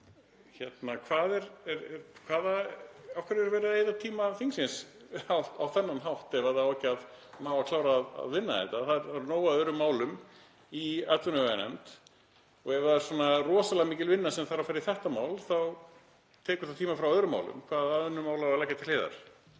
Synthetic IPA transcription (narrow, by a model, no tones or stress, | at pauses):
çɛt̪nakʰvaːðɛɾɛɾɛɾkʰvaːðaafkʰɛɾɛɾvɛːɾaðeːjðat̪ʰiːmaθiŋksɪns | aawθɛnːanɦawht̪ɛvaðaaɛcːaðmaːwvakʰlaːwɾaːða̰ðvɪnːa̰ɛ̰t̪aθaðɛɾɾnoːwaœðɾʏmːaːwlʏm | iat̪lvʏnʏvɛnɛ̰mt̪ | ɔɣɛvðaðɛɾ̥swɔːnarɔːsalɛɣamiːcɪlvɪnːasɛmθaɾavfajɾɪθɛht̪amaːwlθaw | t̪ʰɛːkʏɾ̥θaðt̪ʰiːmafɾawœðɾʏma̰wlʏ̰mkʰvaːðaðʏnːʏmaːwlaaðlɛjcːat̪ʰɪl̥eːða̰ɾ̥